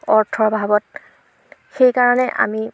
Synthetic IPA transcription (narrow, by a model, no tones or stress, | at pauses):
ɔɹtʰɔɹbʱabɔt̚ | xejkaɹɔnɛʔa̰mi